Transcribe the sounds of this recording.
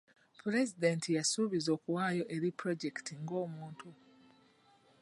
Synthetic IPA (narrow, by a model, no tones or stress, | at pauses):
puɾe̞zidentʰijasuβizo̞ːkuwaːjo̞ʔe̞ɾipɾo̞ɟe̞ktʰiŋɡo̞ːmuːntu